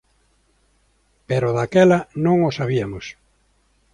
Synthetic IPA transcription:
peɾoðakɛlɐnõŋosaβiɐmos

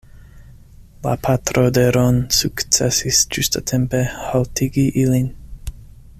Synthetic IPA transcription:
la̰pʰat̪ɾodeɾonsukt͡sesisd͡ʒust̪ʰat̪ʰempehaltʰiɡiʔilin

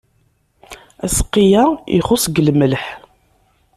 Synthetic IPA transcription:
æsə̥qːijæḭχʊsɡləmːələħ

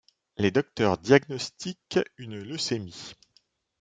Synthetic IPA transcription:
led̪ɔk̚t̪œʁd̪jaɡnɔst̪ikynløsemi

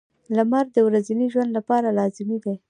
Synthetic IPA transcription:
lamaɾd̪əwɾaziniʒwand̪lapɑɾalɑzɪmid̪a

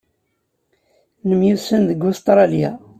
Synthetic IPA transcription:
nəmjusənðəɡʊst̪ɾˤɑlja̰

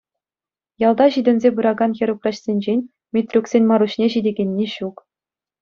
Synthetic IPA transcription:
jɑlˠd̪ɑʑidʲɘ̆nʲzʲebɯɾɑɡɑnxʲĕɾukrɑɕsʲenʲd͡ʑenʲ | mʲit̪ʲrʲuksʲenʲmɑɾuɕnʲeʑidʲeɡʲenʲːeɕuk

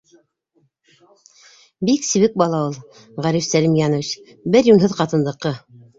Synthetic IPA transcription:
biksiβɘk̚bɑlˠɑulˠ | ʁæɾifsælimjɑnəvit͡ɕ | bɘɾjunɦɤðqɑt̪ɤ̆nd̪ˠɤ̆qːɤ

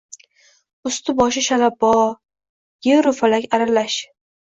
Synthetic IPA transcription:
ʊst̪ʰɪbɒʃɪʃalabɒ | jeɾʊfalakʲaɾalaʃ

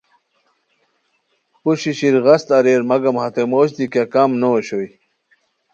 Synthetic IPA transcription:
puɕiɕiɾɣɐst̪ɐɾeːɾmɐɡɐmhɐt̪emoːɕd̪ikakamnoɕoj

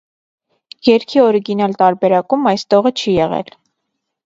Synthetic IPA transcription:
jɛɾkʰiɔɾiɡinɑlt̪ɑɾbɛɾɑkumɑjst̪ɔʁət͡ʃʰijɛʁɛ̰l

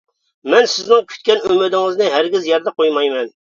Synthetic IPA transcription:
mɛnsɪznɪŋkʲʰy̥t̪kʲɛnymɪd̪ɪŋɨznɨɦæɾɡʲɪzjɛɾd̪ɛqʰojmɑjmɛn

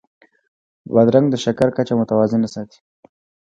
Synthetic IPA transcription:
bad̪ɾaŋɡd̪əʃakaɾkat͡ʃamʊt̪awɑzɪnasɑt̪i̥

